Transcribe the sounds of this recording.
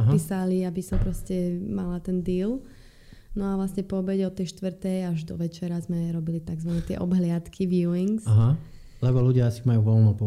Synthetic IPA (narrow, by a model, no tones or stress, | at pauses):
aɦisaliabisɔmpɾɔscɛmalat̪ɛnd̪iːl | nɔaʋlasɲɛpɔːbɛɟɛɔt̪ɛjʃt̪ʋr̩t̪ɛjaʒd̪ɔʋɛt͡ʃɛɾazmɛɾɔbilit̪aɡzʋanɛt̪ɪɛ̰ʔɔbɦlɪat̪kʰiʋjuiŋsaɦa | lɛbɔluɟɪaasimajuːʋɔlmɔpɔ